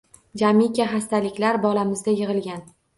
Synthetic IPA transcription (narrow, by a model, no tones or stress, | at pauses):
d͡ʒamikʲaɦast̪alɪkʲlaɾbɒlamɪzd̪ajɨʁɨlˠɡʲan